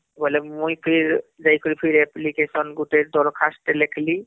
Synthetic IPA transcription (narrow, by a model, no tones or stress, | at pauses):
bɔlɛmujpʰiɹzajkʰɔlipʰiɹɛplikesɔnɡutɛd̪ɔɹkʰastɛlekʰli